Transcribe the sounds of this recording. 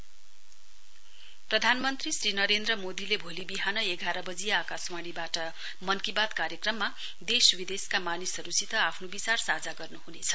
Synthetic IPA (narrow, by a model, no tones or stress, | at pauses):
prʌd̪ʱanmʌnt̪risrinʌɾend̪rʌmod̪ilebʱolibiɦanʌeɡaɾʌbʌd͡zijʌakasmaɽ̃ibaʈʌ | mʌnkibad̪kaɾjʌkrʌmːa | d̪eswid̪eskamanisʌɾusit̪ʌapʰnobit͡sarsad͡zaɡʌrnuhunet͡sʰʌ̥